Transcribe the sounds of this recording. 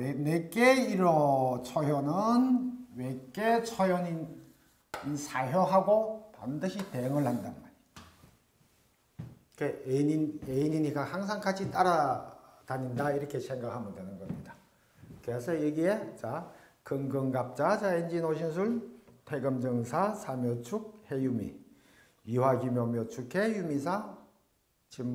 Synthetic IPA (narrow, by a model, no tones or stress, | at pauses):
enek͈eiɾʌt͡ɕʰʌjʌnɯnwek͈et͡ɕʰʌjʌni | nsʰaɦjʌɦaɡopa̰ndɯɕʰitejɯŋɯɭhanda̰nma | k͈eeineiɲiɲikahaŋs̬ʰaŋkʰat͡ɕʰit͈aɾataɲindaiɾʌkʰe̞sʰe̞ŋɡakʰamjɯndwenɯnɡʌmɲida | kɯesʰʌjeɡiet͡ɕakɯŋɡɯŋɡap̚t͡ɕ͈at͡ɕaend͡ʑinoɕʰins̬ʰuɭtʰeɡɯmd͡ʑɯŋsʰasʰamjot͡ɕʰuk̚hejumḭ | jiwaɡimjomjot͡ɕʰukʰe̞jumisʰa | t͡ɕim